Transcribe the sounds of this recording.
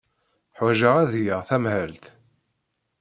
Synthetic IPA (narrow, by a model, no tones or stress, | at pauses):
ħwæʒəʁæðjəʁθæmhəlt̪